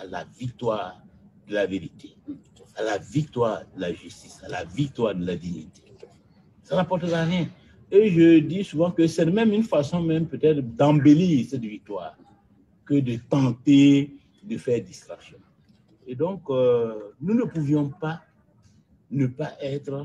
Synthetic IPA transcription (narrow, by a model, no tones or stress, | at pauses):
ala̰vik̚t̪waːʁd̪əlaveʁit̪e | alavik̚t̪waːʁd̪əlaʒyst̪isala̰vik̚t̪waːʁd̪əlad̪iɲit̪e̥ | sanãpɔʁt̪əʁaʁjɛ̃ | eʒəd̪isuvɑ̃kəsɛmɛmynfasɔ̃mɛ̃mpøt̪ɛt̪ɾd̪ãbeliːʁsɛt̪vik̚t̪waːʁ | kəd̪ət̪ãt̪e | d̪əfɛːʁd̪ist̪ʁaksjɔ̃ | ed̪ɔ̃k | nunəpuvjɔ̃pa | nəpaʔɛt̪ɾə